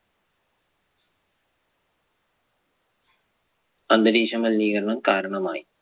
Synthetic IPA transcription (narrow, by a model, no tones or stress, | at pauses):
ɐnd̪ɐd̪iːɕɐmɐlniːɡɐɾɐɳɐmkaːɾɐɳɐmaːji